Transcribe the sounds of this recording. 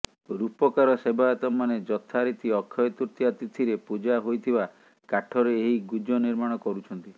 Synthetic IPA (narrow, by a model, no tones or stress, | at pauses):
ɾupɔkaɾɔsebaɔt̪ɔmaned͡ʒɔt̪ʰaɾit̪iɔkʰːjɔjɔt̪uɾt̪iat̪it̪ʰiɾepud͡ʒaɦojt̪ʰiba | kaʈʰɔɾeeɦiɡud͡ʒɔniɾmaɽ̃ɔkɔɾut͡ʃʰɔnt̪i